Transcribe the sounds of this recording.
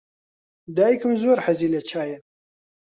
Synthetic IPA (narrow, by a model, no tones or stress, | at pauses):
d̪aːjikɨmzoɾħɐziːlɐt͡ʃʰaːjɐ